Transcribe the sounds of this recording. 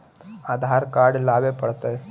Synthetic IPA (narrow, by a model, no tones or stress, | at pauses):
aːd̪ʱaːɾkaːɾɖlaːbepɐɽt̪ae